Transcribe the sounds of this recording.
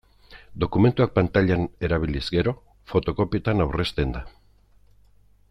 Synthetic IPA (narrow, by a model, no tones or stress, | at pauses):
d̪okume̞nt̪uak̚pant̪aʎane̞ɾaβilizɡe̞ɾo̞ | fo̞t̪o̞ko̞piot̪anawre̞st̪e̞nd̪a